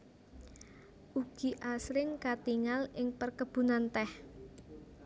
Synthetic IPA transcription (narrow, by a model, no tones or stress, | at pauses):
ʔuɡ̥i̤ʔasɾɪŋkat̪iŋalɪŋpərkəb̥ṳnant̪ɛh